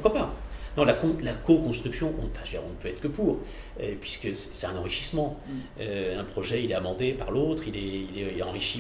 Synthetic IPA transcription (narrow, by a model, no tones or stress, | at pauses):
u̥ʁkwapanɔ̃lakɔ̃lakɔkɔ̃st̪χyksjɔ̃ʔɔ̃faʒd̪iɔ̰̃nəpøɛt̪χəkəpuːʁ | øpɥiskəsɛ̥sɛt̪ɛ̃nɑ̃ʁiʃi̥smɑ̃øɛ̃pχɔʒɛilɛamɑ̃d̪epaʁlot̪χilɛilɛiɛɑ̃ʁiʃi